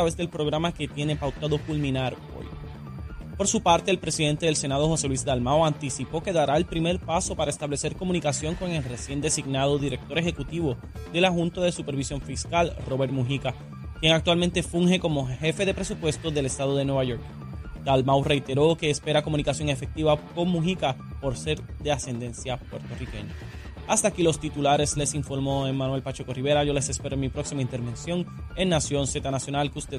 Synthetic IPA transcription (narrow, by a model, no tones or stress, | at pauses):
at̪ɾaβe̞zðe̞lpɾo̞ɣɾamake̞t̪je̞ne̞pawt̪aðo̞kulmĩnaɾ | o̰j | po̞ɾsupaɾt̪e̞ːlpɾe̞siðe̞nt̪e̞ðelse̞naðo̞ho̞se̞lwiszd̪almawant̪isipo̞ke̞ðaɾae̞lpɾime̞ɾpaso̞paɾaest̪aβle̞se̞ɾko̞mũnikasjo̞ŋko̞ŋe̞lre̞sje̞nd̪e̞siɡnað̞o̞ðiɾe̞k̚t̪o̞ɾe̞xe̞kut̪iβo̞ | ðe̞laxunt̪oðe̞supe̞ɾβisjo̞ɱfiskalro̞βe̞ɾmuɦika | kje̞ŋak̚t̪walmẽnt̪e̞fuŋhe̞ko̞mo̞he̞fe̞ðe̞pɾe̞supwe̞st̪oðe̞le̞st̪að̞oð̞e̞nwe̞βaʝo̞ɾk | d̪̥almawre̞jt̪e̞ɾo̞ke̞ːspe̞ɾako̞mũnikasjo̞ŋefe̞k̚t̪iβako̞ŋmuɦikapo̞ɾse̞ɾd̪e̞ase̞nd̪e̞nsjapwe̞̰ɾt̪orike̞̰ɲa | ast̪aːkilo̞st̪it̪ulaɾe̞sle̞siɱfo̞ɾmo̞eŋmãnwelpat͡ʃe̞ko̞riβe̞ɾaʝo̞le̞se̞spe̞ɾomipɾo̞ksimaint̪e̞ɾβẽ̞nsjo̞ŋe̞nnasjo̞nse̞t̪anasjo̞nalkust̪eð